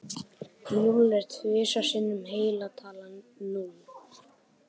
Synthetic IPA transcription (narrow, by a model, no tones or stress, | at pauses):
nulɛɾ̥t̪ʰvɪːsḁsɪnːʏmɦeːjlat̪ʰaːlanːun